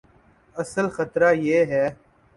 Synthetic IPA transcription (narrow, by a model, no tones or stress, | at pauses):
əsəlxət̪ɾaːjeːɦɛː